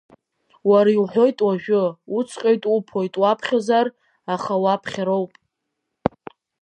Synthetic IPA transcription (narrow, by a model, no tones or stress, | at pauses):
waɾaiħʷo̞jtʼwaʒᶣʊut͡sʰʼqʲʼejtʼupʰojtʼwapʰχʲazar | aχawapʰχʲaɾowpʼ